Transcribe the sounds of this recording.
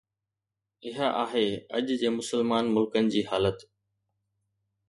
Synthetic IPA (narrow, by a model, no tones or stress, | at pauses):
ɪɦaʔaːɦeːɐ̰ʄd͡ʑeːmʊsəlmaːnmʊlkənɪ̆d͡ʑiːɦaːlət̪